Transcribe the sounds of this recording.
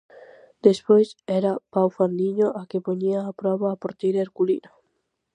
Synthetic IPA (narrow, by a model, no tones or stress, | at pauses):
d̪̥espojsɛɾapawfand̪iɲoʔakepoɲiaːpɾɔβaːpoɾt̪ejɾaeɾkulḭna